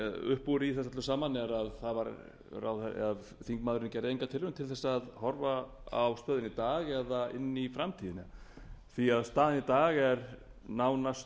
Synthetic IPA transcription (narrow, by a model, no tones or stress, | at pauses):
ʏ̰hpːuɾiθɛs̬at̪lʏsaːmanɛɾaðθaðvaɾ | ra̰wθɛað | θiŋkmaːðɾɪncɛɾejŋkat̪ʰɪlʏmt̪ʰɪlθɛsːaːðhɔɾvaawst̪œːðɪnit̪aːɣɛðaɪ̰nːifɾamt̪ʰiːðɪnɪθiaðst̪aːðɪnit̪aːɣɛɾ | naːwnast